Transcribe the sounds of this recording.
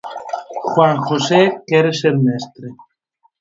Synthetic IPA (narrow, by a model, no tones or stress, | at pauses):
xwaŋxosekeɾeseɾnest̪ɾe